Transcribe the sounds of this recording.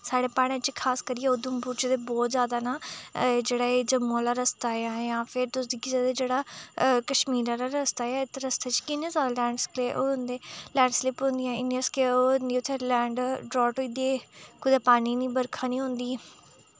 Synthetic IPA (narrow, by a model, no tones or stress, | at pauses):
saːɽeːpaːɽ̃ẽːt͡ʃkʰaːskəɾiɛːod̪ʊ̃mbuːt͡ʃd̪eːbɔːt̪zjaːd̪aːnaːd͡ʒeːɽaːeːd͡ʒəmːõːlaːɾəst̪aːeaːjãːpʰɪɾt̪ʊsd̪iːkizaːd̪eːd͡ʒeːɽaːkəʃmiːɾãːɾaːɾəst̪aːɛaːɪt̪ːɾəst̪eːt͡ʃkɪnẽːzjaːd̪aːlɛ̃ːɳɖskleːʔoːʊ̃nd̪eːlɛ̃ːɳɖslɪpɦʊ̃ːnd̪ɪjãːɪnijãːskeoniːʊt̪ʰːelɛ̃ːɳɖɖɾɔːʈɦoːiːd̪eːkʊd̪aːpaːniːnĩːbəɾkʰaːnĩːɦõnd̪iː